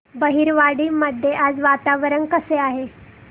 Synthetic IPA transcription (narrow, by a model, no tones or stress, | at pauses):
bəɦiːɾʋaɽiːməd̪ʱːjeʔad͡zʋat̪aʋɾənkəseaɦe